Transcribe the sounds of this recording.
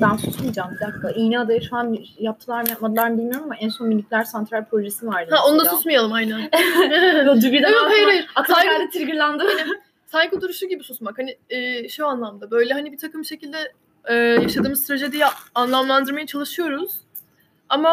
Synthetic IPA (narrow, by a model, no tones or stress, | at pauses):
bænsusmid͡ʒambiḁkːaʔijniad̪ajaʃuanjap̚t̪ʰɯlˠaɾmjapmad̪ɯlˠaɾnɯbilʲmijo̞ɾmamaʔænso̞nmilʲːit̪ʲlʲæɾsant̪ɾalʲpʰɾo̞ʒesinvaɾd̪hao̞nud̪asusmijalˠɯmajnænɛd̪ybid̪aejɾejak̪ajad̪ɛt̪ʰiɾɡiɾlʲænd̪ɯanɪ | saɲcʰot̪ʰuɾuʃuɟibisusmakhanɪɛːʃuanlˠamd̪abø̞jlʲɛɦanibit̪ʰakɯmʃe̞cʰilʲd̪ɛː | jaʃad̪ɯːmɯzt̪ɾed͡ʒɛd̪ijɛanlˠamlˠand̪ɯɾmajat͡ʃʰalˠɯʃɯjo̞ɾuz̥ | ama